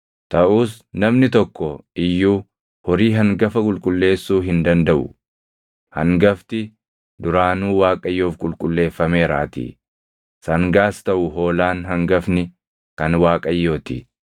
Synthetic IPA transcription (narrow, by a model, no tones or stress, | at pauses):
t̪ɐʔuːs | nɐmnɪt̪ɔkːɔɪjːuː | hɔɾiːɦɐŋɡɐfɐkʼʊlkʼʊlːe̞ːsːuːɦɪnd̪ɐnd̪ɐʔʊ̰ | hɐŋɡɐft̪ɪ | d̪ʊɾaːnuːwaːkʼɐjːoːfkʼʊlkʼʊlːe̞ːfːɐme̞ːɾa̰ːt̪ḭ | sɐŋɡaːst̪ɐʔʊɦo̞ːlaːnɦɐŋɡɐfnɪ | kɐnwaːkʼɐjːo̞ːt̪ɪ